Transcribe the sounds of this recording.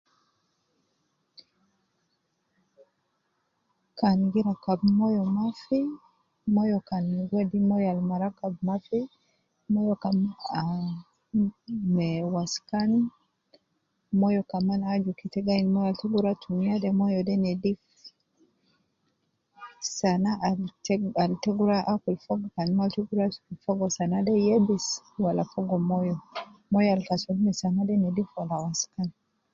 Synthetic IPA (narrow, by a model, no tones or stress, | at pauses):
kanɡiɾakabmɔjɔmafi | mɔjɔkanɡwɛdimɔjalmaɾakabmafi | mɔjɔka | mɛwaskan | mɔjɔkamanaːd͡ʒukitɛɡainimɔjɔalitɛɡuɾatʰumiadɛmɔjɔdɛnɛdif | sanaʔtalitɛɡuɾaʔakulfɔɡɔkanimaltɛɡuɾakulfɔɡɔsanadɛjɛbis | walafɔɡɔmɔjɔmɔjɔalifasulimɛsanadɛnɛdifwalawaskani